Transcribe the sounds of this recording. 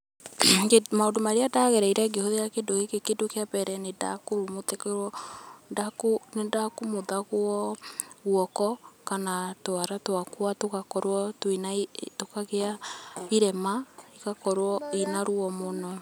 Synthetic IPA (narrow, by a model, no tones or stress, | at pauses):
kemaodomaɾeadaɣɛɾɛiɾɛɡehoðejakedokekekedokeapɛɾɛneda̰koɾomotekɛɾwɔndakonendakomoðaɣwɔɣwɔkɔkanatoaɾatowakwatokakɔɾwɔtwinatokaɣeaiɾɛmaikakɔɾwɔinaɾuɔmɔnɔ